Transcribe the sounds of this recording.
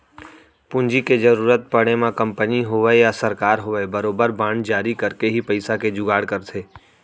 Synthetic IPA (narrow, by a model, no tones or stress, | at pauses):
pʊ̃nd͡ʒiked͡ʒəɾuːɾət̪̚pɐɽ̃emãkɐ̃mpəniɦʊʋəejasəɾkaːɾɦoʋəebəɾoːbəɾbãːɳd͡ʒaːɾikəɾkeɦipɐɪsaked͡ʒʊɡaːɽkəɾt̪ʰeː